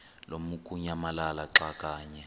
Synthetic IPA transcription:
lomukʼuɲamalalaǁakʼaːɲɛ

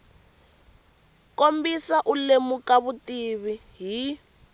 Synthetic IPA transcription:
kombisaʔulemukaβutiβiɦi

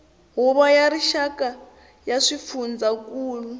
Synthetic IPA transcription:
ɦuβajaɾiʃakʼa | jaʂifund͡zakʼuːlu

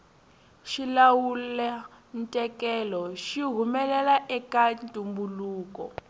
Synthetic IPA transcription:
ʃilawulɛ | ntʼɛkɛlɔʃiɦumɛlɛlaʔɛkantʼumbuluːkɔ̰

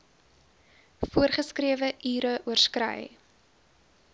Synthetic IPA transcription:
fuərχəskriəvəʔyːɾəʔuərskrə̰j

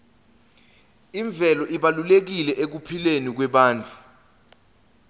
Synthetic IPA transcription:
iɱb̪vʱɛlɔʔiɓalulek̬ilɛʔek̬upʰilenik̬wɛɓaːnd͡ɮʱu

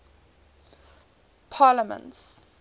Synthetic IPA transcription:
pʰaːləmə̰̃nts

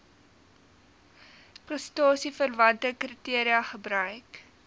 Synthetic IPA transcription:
prəstɑːsifərvɐntəkritiəɾiɐχəbrœɥk

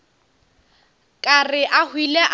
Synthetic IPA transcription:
kʼarɪʔahwilɛʔ

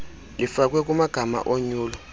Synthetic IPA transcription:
lifak̬ʼwɛk̬ʼumaɡ̥ʱama̰ʔoɲuːlɔ

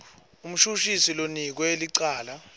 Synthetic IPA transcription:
um̩ʃuʃisilonik̬wɛeliǀaːla

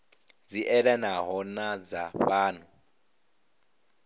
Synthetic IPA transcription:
d͡ziʔɛɺɛnaɦɔnad͡zaɸaːn̤u

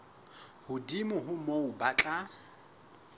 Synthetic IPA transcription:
hʊdimʊɦʊmoʊbat͡ɬʼa

